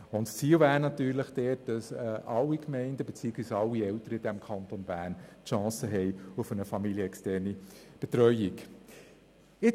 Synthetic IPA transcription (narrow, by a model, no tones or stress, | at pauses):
ʊntst͡siːlvæːɾnɑtyːɾləχd̥ɛːt̚d̥ɑsɛʔɑlːikmɛɪndəbet͡siːkisɑlːiɛltəɾəɪd̥ɛmkʰɑntonbæːntʃɑ̃ːsəɦɛɪufənəfɑmiljəɛkstɛːrnib̥etɾœʏik | ɪ